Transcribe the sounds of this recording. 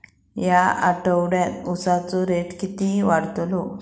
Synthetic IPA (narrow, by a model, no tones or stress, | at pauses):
jaa̰ʈəwɽjat̪usat͡sɔɾeʈkit̪iʋaɽt̪lɔ